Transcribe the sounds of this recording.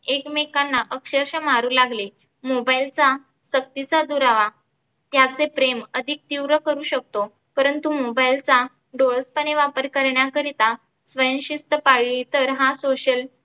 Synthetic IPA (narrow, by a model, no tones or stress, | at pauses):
ekmekanːaʔəkɕəɾɕəmaɾuːlaɡle | mobailt͡sa | sək̚t̪it͡sad̪uɾaʋa | t̪jat͡sepɾeməd̪ʱik̚t̪iwɾəkəɾuːɕək̚t̪o | pəɾənt̪umobailt͡sa | ɖolspəɽ̃eʋapəɾkəɾɳjakəɾit̪a | sʋəjənɕist̪əpaɭit̪əɾɦãsoɕəl